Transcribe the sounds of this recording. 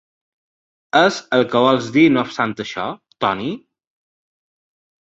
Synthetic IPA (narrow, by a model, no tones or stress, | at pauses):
əzəlˠkəβɔlˠzd̪inost̪ant̪əʃɔt̪ɔni